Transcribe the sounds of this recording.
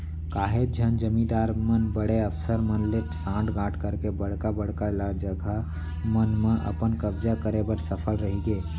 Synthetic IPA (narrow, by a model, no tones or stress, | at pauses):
kaɦed͡ʒʱənd͡ʒəmĩd̪aɾmənbəɽeəpsəɾmənleʈsãʈɡãʈʰkəɾkebəɽ̤kabəɽ̤kalad͡ʒəɡʱa | mənmeʔə̰pənkəbd͡ʒakəɾebəɾsəpʰəlɾəɦiɡe